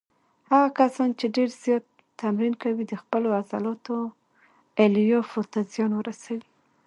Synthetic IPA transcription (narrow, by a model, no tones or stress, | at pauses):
haɣakasɑnt͡ʃeɖeɾzjɑt̪ː | amɾinkawid̪əxpəloaza̰lɑt̪o | eljɑfot̪azjɑnwəɾasawi